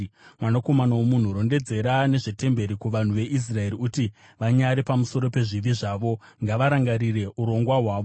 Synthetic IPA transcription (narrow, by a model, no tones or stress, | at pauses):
mwanako̞manawomun̤uɾo̞nde̞d͡ze̞ɾane̞ʐete̞mbeɾikuʋan̤uʋe̞ʔis̬rae̞ɾiuti | ʋaɲaɾepamuso̞ɾo̞pe̞ʐiʋiʐaːʋo̞ | ŋɡaʋaɾaŋɡaɾire̞ʔuɾo̞ŋɡwaɦwaːʋo